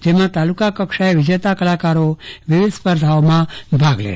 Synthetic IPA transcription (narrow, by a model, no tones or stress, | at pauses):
d͡ʒemãt̪alukakəkʃaeʋɪd͡ʒet̪akəlakaɾoʋɪʋɪd̪spəɾd̪ʱaomãbʱaɡlḛ